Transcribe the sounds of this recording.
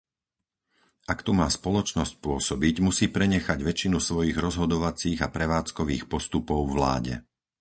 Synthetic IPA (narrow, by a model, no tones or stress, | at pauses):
ʔakt̪umaːspɔlɔt͡ʃnɔsc̚pʊɔsɔbiɟmusiːpɾɛɲɛxaɟʋɛt͡ʃinusʋɔjiɣɾɔzɦɔd̪ɔʋat͡siːɣapɾɛʋaːt͡skɔʋḭːxpɔst̪upɔʊvla̰ːɟɛ̰